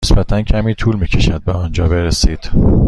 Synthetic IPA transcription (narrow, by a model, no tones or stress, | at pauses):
esbæt̪ʰæncʰæmiːt̪ʰuːlmiːcʰe̞ʃæd̪̚beɒnd͡ʒɒːbe̞ɾesiːd̪̥